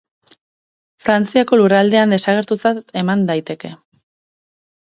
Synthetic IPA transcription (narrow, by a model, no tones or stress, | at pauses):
fɾant͡siako̞lurald̪e̞and̪e̞saɣ̞e̞ɾt̪ut͡sat̪e̞mand̪ajt̪e̞ke̞